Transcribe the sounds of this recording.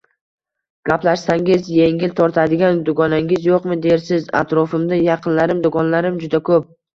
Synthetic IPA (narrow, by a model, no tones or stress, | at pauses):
ɡ̥ʲaplaʃsaŋʲɪzje̞ŋʲɪlt̪ʰɒɾt̪ʰad̪ɪɡʲand̪ʊɡɒnaŋɪzjoqmɪd̪eɾsɪza̰t̪ɾɒfɪmd̪ajɑqʰɨnlaɾɪmd̪ʊɡɒnlaɾɪmd͡ʒʊd̪akʰɵp̚